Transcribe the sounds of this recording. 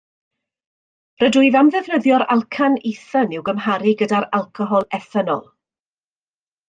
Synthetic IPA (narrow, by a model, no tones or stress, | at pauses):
rədʊjðamðɛvnəðjɔɾa̰lˠkʰaniθənɪwɡəmɦaɾiɡədaɾalˠkʰɔɦɔlˠɛθɛnɔ̰lˠ